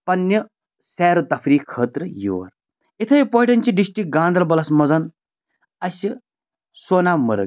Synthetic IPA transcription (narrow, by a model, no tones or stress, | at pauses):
pɐnːɐ | sɛːɾut̪ɐfɾiːkʰːəːt̪ɾɨjḭʋɐ̰ɾ | it̪ʰɐjipoːʈɐnʲt͡ʃiɖisʈɾik̚ɡaːnd̪ɐlbɐlɐsmɐzɐn | ɐsi | soːnamɐɾɐ̰ɡ